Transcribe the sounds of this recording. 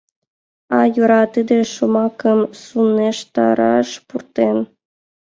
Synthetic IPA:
ɑjuɾɑt̪ɨd̪ĕʃumɑkɤ̆msunːeʃt̪ɑ̰ɾɑ̰ʃpurt̪en

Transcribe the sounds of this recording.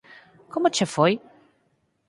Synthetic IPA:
kʰɔmɔt͡ɕɛfɔj

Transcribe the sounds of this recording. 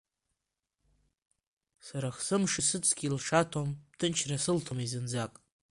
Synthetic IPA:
saɾaχsɨmʂɨsɨt͡sʰʼɡʲilʂatʰomptʰɨnt͡ʃʰrasɨltʰomizɨnd͡zakʼ

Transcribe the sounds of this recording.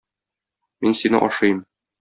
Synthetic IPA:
minsinɘ̰ʔɒʃɤjm

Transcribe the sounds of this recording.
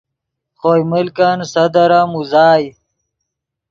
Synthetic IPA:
χoːjmɪlkansɐd̪ɐɾamuzaːj

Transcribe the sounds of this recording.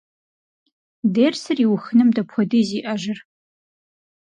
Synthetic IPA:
deːrsɐriwxɨnɨmdɐpʷʰɔdɨziːʔɐʒɪr

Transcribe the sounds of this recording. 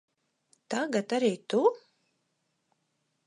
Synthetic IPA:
t̪aɡat̪aɾiːt̪u

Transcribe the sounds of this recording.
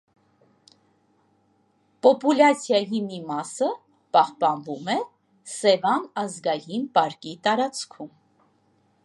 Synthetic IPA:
pɔpulɑt͡sʰjɑjimimɑsə | pɑhpɑnvumɛ | sɛvɑnɑzɡɑjinpɑɾkit̪ɑɾɑt͡skʰum

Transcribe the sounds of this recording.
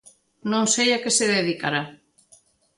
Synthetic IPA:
nõŋsejakeseðeðikaɾa

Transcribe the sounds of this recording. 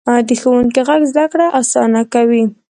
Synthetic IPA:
d̪əxawuŋkiɣaɡzd̪akɽaʔasɑnakawi

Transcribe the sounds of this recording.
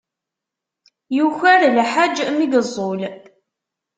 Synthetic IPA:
juçæɾlħad͡ʒmiɡəzˤːol

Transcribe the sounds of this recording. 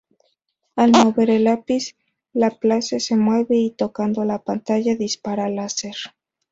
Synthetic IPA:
almo̞βe̞ɾe̞lapis | laplasese̞mwe̞βe̞it̪o̞kand̪olapant̪aʝaðispaɾalaseɾ

